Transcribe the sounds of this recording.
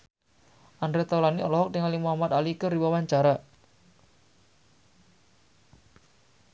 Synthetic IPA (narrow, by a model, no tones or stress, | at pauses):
ʔandɾet̪awlaniɔlɔɦɔk̚t̪iŋalimuɦamat̪alikərdiwawaɲt͡ʃaɾa